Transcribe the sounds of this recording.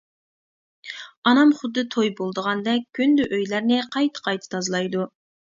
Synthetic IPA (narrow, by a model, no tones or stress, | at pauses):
ɑnɑmχʊd̪ːɨt̪ʰojbolˠd̪əʁɑnd̪ɛk̚ʲʰːynd̪yʔøjlæɾnɪqʰɑjt̪ʰə̥qʰɑjt̪ʰɨ̥t̪ʰɑzlˠɑjd̪u